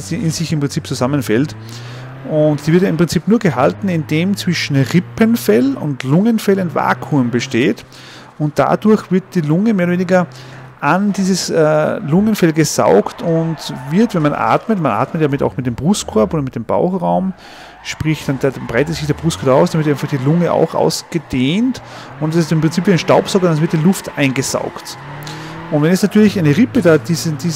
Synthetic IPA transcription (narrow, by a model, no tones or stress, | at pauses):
sdiʔɪnzɪçɪmpʁ̥ɪnt͡siːp̚t͡suzamənfɛlt | ʔʊntd̥iːvɪɐtjaɪmpʁ̥ɪnt͡siːpnuːɐɡəɦa̰ltn̩ɪndeːmt͡sv̥ɪʃn̩ʁɪpənfɛlʊ̰ntlʊŋənfɛlaɪnva̰ːkʰumbəʃteːt | ʊnt̚d̥a̰duɐçv̥ɪɐt̚d̥iːlʊŋəmeːɐɾəveːnɪɡɐ | ʔandiːzəsɛːlʊŋənfɛlɡəza̰ʊktʊntvɪɐtvɛnmanʔa̰ːtmətmanʔa̰ːtmət̚d̥amɪta̰ʊxmɪt̚d̥eːmb̥ʁʊstkʰɔɐpoːdɐmɪt̚d̥eːmb̥a̰ʊxʁaʊm | ʃpʁ̥ɪçd̥andaabʁaɪtətsɪçd̥eːɐbʁʊstkʰɔɐaʊsd̥anvɪɐtɪfaχd̥iːlʊŋəʔa̰ʊxʔa̰ʊsɡ̥əd̥eːnt | ʊntdasɪstɪmpʁɪnt͡siːpviːaɪnʃtaʊpsɔkɐdanvɪɐtd̥ilʊfta̰ɪ̃nɡəza̰ʊkt | ʔʊ̃ntvɛnɛsnatʰyːɐlɪçaɪnəʁɪpədaːd̥izdiː